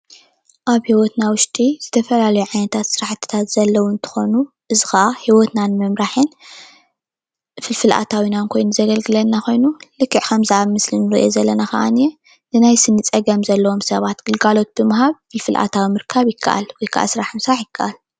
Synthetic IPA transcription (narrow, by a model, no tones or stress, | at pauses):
ʔaβhiwɔt̪nawʊʃt̪ʼiz̥ɨt̪ʰɐfɐlalɐjuʕajnɐt̪ʰat̪sɨɾaħt̪ʰːɨ̥t̪ʰat̪z̥ɐlːɐwuɨnt̪ʰɨ̥xo̞nu | ʔɨzɨxɐʔahiwɔt̪nanmɐmɾaħɨn | fɨlfɨlʔa̰t̪ʰawinankʰo̞jnuzɐɡɐlɡɨlɐnːako̞jnulɨkːɨʕkʰɐmzɨʔaβmɨslinɨɾiʔozɐlːɐnakɐ̰ʔa̰njɛ | nɨnajsɨnːɨt͡sʼɐɡɐmzɐlːɐwo̞msɐβat̪ɡ̥ɨlɡalo̞t̪̚b̥ɨmɨɦaβfɨlfɨlʔa̰t̪ʰawimɨɾkʰːaβjɪkʰːɐ̰ʔa̰lwɔjkʰaʔa̰sɨɾaħɨnsɾaħjɪkʰːɐʔal